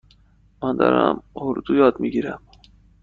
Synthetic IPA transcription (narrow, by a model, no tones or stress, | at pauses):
mænd̪ɒ̰ːɾæ̰moɾd̪ujɒːd̪miɡiɾæm